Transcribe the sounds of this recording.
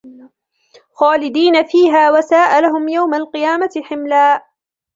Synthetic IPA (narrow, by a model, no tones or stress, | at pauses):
xaːlɪd̪iːnafiːɦaːwasaːʔalaɦʊmjawmalqɨjaːmaħɪmlaːʔ